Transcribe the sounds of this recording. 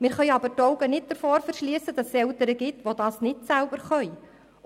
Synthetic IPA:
mɪːɾχœʏɑbəɾtɔwɡənɪt̚d̥əɾfoːɾfəɾʃliəsəd̥ɑssɛltəɾəɡɪtʋodɑːsnɪtsælbəɾχœʏ

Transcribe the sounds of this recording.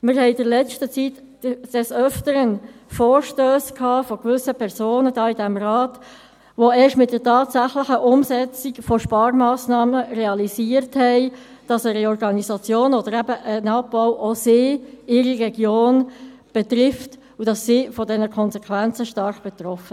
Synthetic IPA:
mɪɾhɛɪdɪɾlɛt͡stət͡sit | d̥ɛsœftəɾənfoːɾʃtøːskʰhɑːfɔkʋʏsəpʰɛɾsoːnədɑːidæmrɑːt | ʋoeːʃtmɪt̚d̥əɾtʰɑːtsæχlɪχəʔʊmsɛt͡siɡfɔʃpɑːɾmɑːsnɑːməreɑliziəɾthɛɪ | d̥ɑsɛɾiɔɾɡɑnisɑt͡sjoːnɔd̥̪əɾæbəʔənɑpːɔʊʔosɪːɪɾiʁɛɡ̥joːn | b̥ɛt̪ɾɪft | udɑsːifɔdɛnəkʰɔnsɛkʰʋænt͡səʃtɑɾχb̥ɛt̪rɔfə

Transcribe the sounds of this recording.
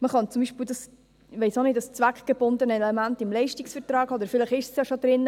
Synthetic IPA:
məχɑnt͡sumbiːʃpiwdɑs | ʋɛɪsonɪdɑst͡sʋækχɡ̥əb̥ʊnd̪ənəɛlɛmæntɪmlɛɪʃtiksfəɾtɾɑːɡɔd̪əɾfɪləχɪʃsjɑʃod̪ɾɪnː

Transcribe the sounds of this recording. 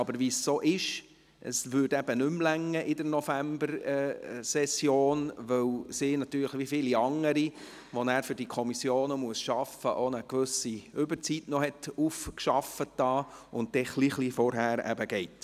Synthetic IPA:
ɑbəɾʋisːoːʔɪʃ | ʔə̰sʋʏɾdɛb̥ənʏmlæŋːəʔɪdəɾnɔfæmbəɾɛsɛsjoːnʋœwsiːnɑt̪yːɾləχʋifɪːliɑŋəɾi | ʋɔnæːɾfʏɾd̥ikʰɔmisjoːnəmuəsʃɑfəʔonəkʋʉsiʏbəɾt͡sitnɔhɛtufkʃɑfətːɑːʊnt̚d̥ɛχliχlifɔɾɦæːɾæ̰bəɡ̥ɛɪt

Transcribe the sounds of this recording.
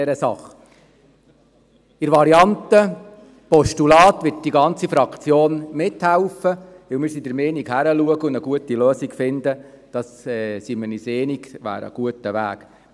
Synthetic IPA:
ɛɾəsɑ̰χ | ɪɾʋɑɾiɑnt̪ə | pɔʃtulɑːt̪ʋɪt̚d̥iɡɑnt͡sifɾɑkʰt͡sjoːnmɪthæwfə | ʋɪlmɪːɾsidəɾmeːnikhæɾəluəɡəʊndəɡuətiløːsikfɪnd̪ə | d̥ɑsɛsiməniseːniɡʋæ̰ːɾə̰ɡ̥uətəʋæ̰ːk

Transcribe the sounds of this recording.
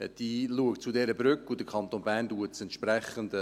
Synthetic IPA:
d̥iːluəktt͡sudɛɾəbɾʏkːud̥əkʰɑnt̪oːnbæːɾnduətsɛntʃprɛχənd̪ə

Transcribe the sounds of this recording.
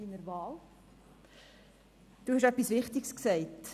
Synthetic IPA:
inəɾvɑːl | d̥uːhɛʃɛpːisʋɪχtɪksksɛɪt

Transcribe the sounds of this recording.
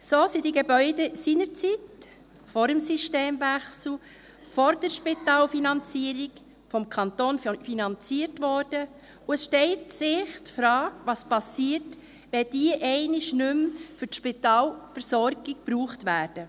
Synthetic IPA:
soːsidiɡebœʏdəsiːnəɾt͡sit | fɔɾəmsiʃteːmvæχsl̩ | fɔɾd̥ɛɾʃpitɑːlfinɑnt͡siːəɾiɡ | fɔmkʰɑnt̪oːnfinɑnt͡siːəɾtʋɔːɾd̥ə | ʊɛsʃtɛltsɪχtfɾɑːɡʋɑspɑsiːəɾt | ʋɛd̥iəʔɛɪnɪʃnʏmfʏɾtʃpitɑːlfəɾsɔɾɡ̥ɪɡpɾuːχtʋæːɾd̥ə

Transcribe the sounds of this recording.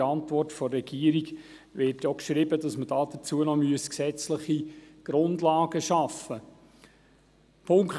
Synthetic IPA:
ɑntvɔrtfɔrɛɡ̥iəɾiɡ | ʋɪtjokʃɾibədɑsmədɑːd̥ət͡suənɔmyəsksɛt͡sləχiɡ̥ɾʊndlɑːɡ̥əʃɑfə | pʰʊŋk

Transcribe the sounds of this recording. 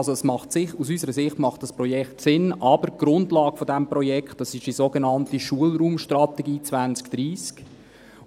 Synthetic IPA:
zoɛsmɑχtsɪχtusysəɾəsɪχtmɑχt̚d̥ɑspɾɔjɛkχtsɪnɑb̥əɾɡ̥ɾʊndlɑːɡ̥əfodɛmprɔjɛkχtɑsɪʃizoɡenɑntiʃuəlɾuːmʃtrɑt̪ɛɡiːt͡svænt͡skd̥ɾiːsk

